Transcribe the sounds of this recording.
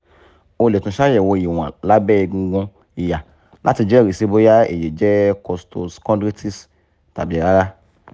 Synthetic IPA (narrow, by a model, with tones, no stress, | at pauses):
o˧le˨tũ˧˦ʃa˦jɛ˨wɔ˧˨i˨w̃ã̰˨la˨˦bɛ˦i˧ɡũ˧ɡũ˧ | i˨ja˨ | lʔa˦ti˧d͡ʒɛ˦˨ɾe˨se˧bo˦ja˦ḛ˨je˨d͡ʒɛ˦kɔ˧sto˧skɔ̃˦ndɾi˦tʰi˦s | ta˨bi˨˦˨ɾa˦ɾa˦